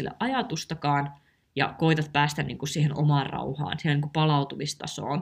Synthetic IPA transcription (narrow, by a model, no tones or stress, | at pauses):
ilːæ̰ʔʔɑjɑt̪ust̪ɑkɑːn | jɑ̰koit̪ɑt̪̚pæːst̪ænḭːŋkussiːhenʔo̰mɑːrrɑ̰uhɑ̰ːnsihnæniŋkupɑlɑut̪umist̪ɑ̰so̰ːn